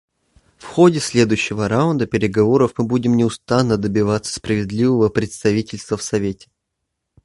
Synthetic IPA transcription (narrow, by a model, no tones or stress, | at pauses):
fxo̞dʲɪsʲlʲe̞d̪ʊjɕːɪvəɾaʊnd̪əpʲɪɾʲɪɡɐvo̞ɾəfmɨbudʲɪmnʲɪʊst̪anːəd̪əbʲɪvat̪sə̥spɾəvʲɪd̪lʲivəvəpɾʲɪt̪st̪ɐvʲitʲɪlʲst̪vəfsɐvʲetʲɪ̥